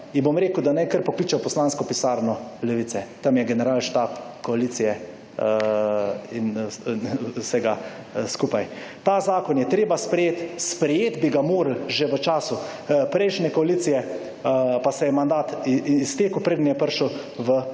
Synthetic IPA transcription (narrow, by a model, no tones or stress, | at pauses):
inbomɾeːkuwd̪anɛjkəɾpɔkliːt͡ʃɛwpɔslaːnskɔpisaːɾnɔlɛʋit̪sɛt̪amjɛɡɛnɛɾaːlʃt̪aːpkɔaliːt̪sijɛ | in | sɛɡa | skuːpajt̪aːzaːkɔnjɛt̪ɾeːbaspɾɛjeːt̪spɾɛjeːt̪biɡamoːɾəlʒeʋət͡ʃaːsu | pɾɛjʃnɛkɔaliːt̪sijɛ | pasɛjɛmand̪aːt̪ːst̪eːkupɾeːd̪njɛpəɾʃəw | ʋə